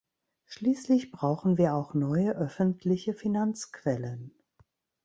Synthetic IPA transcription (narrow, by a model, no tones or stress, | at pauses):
ʃliːslɪçb̥ʁaʊxn̩viːɐaʊxnɔʏəʔœfn̩tʰlɪçəfinant͡skv̥ɛlən